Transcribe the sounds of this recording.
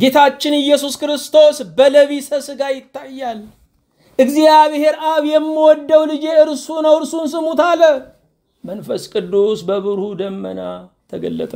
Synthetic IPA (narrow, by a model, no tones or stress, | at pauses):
ɡe̞t̪ʰat͡ʃːɪnɨjːɛsuskɨɾɨst̪ʰo̞sbələβisəsɨɡajɪt̪ːajːal | ʔɨɡzijaβehe̞ɾaβjɛmːɨwɔd̪ːəwlɨd͡ʒeɨɾsunəwɨɾsunsɨmut̪alə | mənfəskʼɨd̪ːusbəβɨɾhud̪əmːə̰na̰ | t̪ʰəɡə̰lːə̰t̪ʼə